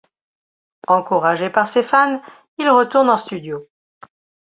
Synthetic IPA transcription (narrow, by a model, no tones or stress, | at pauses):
ɑ̃kuʁaʒepaʁsefan | ilʁət̪uʁnɑ̃st̪yd̪jo